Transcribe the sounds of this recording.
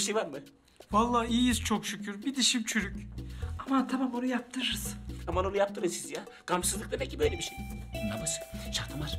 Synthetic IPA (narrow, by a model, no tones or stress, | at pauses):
iʃejvaɾmɯ | valˠːaːijjizt͡ʃʰokʃycʰyɾbid̪iʃimt͡ʃʰyɾycamant̪ʰamambonujap̚t̪ʰɯɾɯɾɯz̥amanonujap̚t̪ʰɯɾɯzsizja | ɡ̥amsɯzlˠɯk̚d̪abɛcʰːibø̞jlʲɛbiʃejulamasɯ̥ʃakt̪ʰɯmaɾ̥